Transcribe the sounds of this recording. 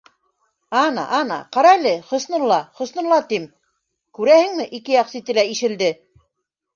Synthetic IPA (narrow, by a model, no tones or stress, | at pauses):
ɑnɑ̰ʔɑnɑ̰qɑɾɑlɘχŏsnɤ̆ɾlˠɑχŏsnɤ̆ɾlˠɑt̪im | kʉɾæhɘ̆ŋmɘʔikɘjɑqsit̪ɘ̆læiʃɘ̆ld̪ɘ